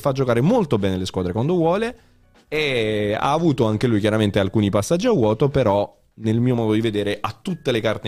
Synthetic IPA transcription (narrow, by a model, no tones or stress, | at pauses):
fad͡ʒːokaːɾemolt̪obɛːneleskwaːd̪ɾekwand̪ovwɔːle | ea̰ːvuːt̪oaŋk̟elujkjaɾament̪ealkuːnipasːad͡ʒːiawɔːt̪opeɾɔ | nelmiːomɔːd̪od̪ived̪eːɾeʔat̪ːut̪ːelekart̪e